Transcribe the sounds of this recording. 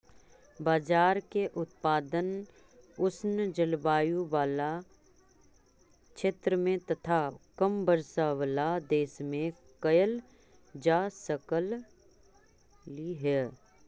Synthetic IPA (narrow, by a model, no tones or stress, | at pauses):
baːd͡ʒaːɾkeʔʊt̪̚paːd̪ən | ʊsnd͡ʒəlbaːjũwaːla | kʃʰeːt̪ɾəmẽt̪ɐt̪ʰakəmbəɾsawəlad̪eːsmẽ | kɐjəl | d͡ʒaːsəkəl | iɦɛː